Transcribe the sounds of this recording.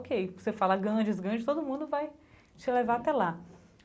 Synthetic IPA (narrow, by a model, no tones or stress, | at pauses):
kejvosefalaɡɐ̃d͡ʒɪzɡɾɐ̃d͡ʒɪt̪od̪ʊmũnd̪ʊvaj | t͡ʃɪlevaat̪ɛla